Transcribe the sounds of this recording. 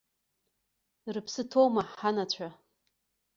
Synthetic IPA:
rɨpʰsɨtʰowmaħħanat͡ɕʷʰa

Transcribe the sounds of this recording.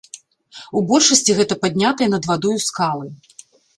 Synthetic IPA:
ubɔlʲʂɐsʲt͡sʲiɣɛt̪ɐpad̪ʲnʲat̪ɐjɛnɐd̪vad̪ɔjuskalˠɨ

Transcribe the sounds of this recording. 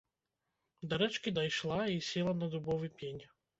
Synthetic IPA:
d̪ɐɾɛt͡ʃkʲid̪ɐjʃlˠaisʲɛlˠɐnɐd̪ubɔvɨpʲenʲ

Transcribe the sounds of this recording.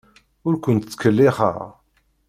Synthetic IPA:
ʊɾkʷʊnt̪t͡sːkəlːiχə̰ʁ

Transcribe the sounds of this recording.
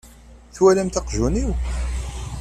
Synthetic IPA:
θwælæmt̪ɑqʒuniw

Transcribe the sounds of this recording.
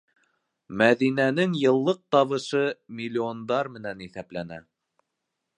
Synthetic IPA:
mæðinænɘŋjɤ̆lˠːɤq̚t̪ɑβɤ̆ʃɤmʲilʲːiond̪ɑɾmɘ̆næniθæplænæ

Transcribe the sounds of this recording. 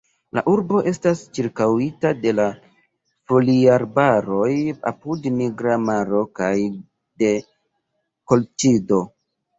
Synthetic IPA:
la̰ʔuɾbo̞ʔe̞stast͡ʃiɾkawitade̞la | fo̞liaɾbaɾo̞ja̰pudniɡɾamaɾo̞kaj | de̞ | ko̞lt͡ʃido̞

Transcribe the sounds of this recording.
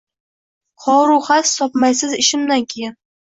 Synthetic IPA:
χɒɾuχast̪ɒpmajsɪzɪʃɪmd̪ankʲʰeja

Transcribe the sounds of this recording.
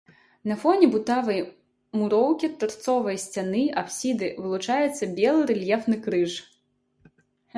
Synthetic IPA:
nɐfɔnʲibut̪avɐj | muɾɔwkʲiɐt̪ːɐrt̪sɔvɐjsʲt͡sʲanɨapsʲid̪ɨvɨlˠut͡ʂajɛt̪sːɐbʲɛlˠɨɾɛlʲjɛfnɨkɾɨʂ

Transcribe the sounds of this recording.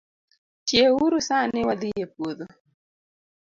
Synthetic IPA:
tjewuɾusanɪwad̪ijepwoðo

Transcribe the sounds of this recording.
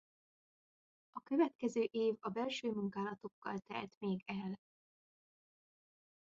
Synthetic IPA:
ɒkø̞vɛt̪kɛzøːʔeːvɒbɛlʃøːmuŋkaːlɒt̪o̞kːɒ̰lt̪ɛ̰lt̪meːɡɛl

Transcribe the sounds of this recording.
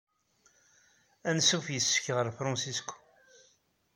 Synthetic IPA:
ænsufjəsːə̥çʁəɾfɾˤɑnsiskʷ

